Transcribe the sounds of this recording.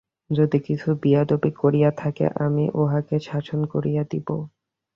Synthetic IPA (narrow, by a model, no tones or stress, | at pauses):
d͡ʑod̪ikit͡ɕʰubiad̪obikoɾijat̪ʰakḛʔamiʔoɦaket͡ɕʰat͡ɕʰonkoɾijad̪ibo̰